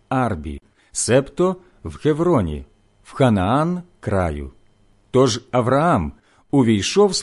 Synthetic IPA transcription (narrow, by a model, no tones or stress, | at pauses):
ɑrbʲḭ | sɛpt̪ɔ | wxeʋɾɔnʲḭ | wxɐnɐankɾɑ̰jʊ̰ | t̪ɔʒɐʋɾɐam | ʊʋʲijʃɔws